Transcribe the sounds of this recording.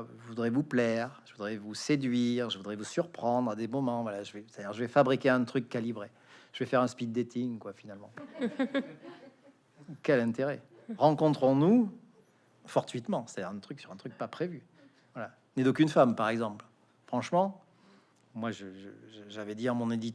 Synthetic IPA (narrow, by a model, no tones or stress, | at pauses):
əvud̪ʁɛvuplɛʁʒəvud̪ʁɛvused̪ɥiʁʒəvud̪ʁɛvusyʁpχɑ̃d̪ʁad̪emɔmɑ̃vwalaʒəvɛse̥t̪ad̪iʁʒəvɛfabʁikʲeɛ̃t̪χykːalibʁe | ʒ̥əvɛfɛʁɛ̃spid̪ːet̪ʰiŋkwafinalmɑ̃ | kʲɛlɛ̃t̪eʁɛ | ʁɑ̃kɔ̃t̪χɔ̃nu | fɔʁt̪ɥit̪mɑ̃se̥t̪ad̪iʁɛ̃t̪χyksyʁɛ̃t̪χyk̚papχevy | vwala | nɛd̪okynfampaʁɛɡzɑ̃pl | fχɑ̃ʃmɑ̃ | mwaʒəʒəʒəʒavɛd̪iɑ̃mɔ̃ned̪it̪